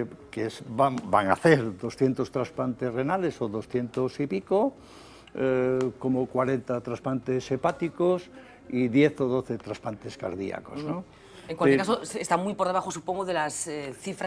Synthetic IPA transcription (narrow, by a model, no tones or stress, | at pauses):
kesbabaŋa̰θeɾd̪o̞sθjent̪o̞st̪ɾaspant̪ezre̞nale̞so̞ðo̞sθje̞nt̪osipiko | ko̞mokwaɾe̞nt̪at̪ɾaspant̪e̞se̞pat̪ikos | iðje̞θo̞ðo̞θe̞t̪ɾaspant̪e̞ska̰ɾðḭa̰ko̞zno | ẽŋkwaekasoest̪amujpoɾðe̞βaxosupo̞ŋɡoðelaseθifɾa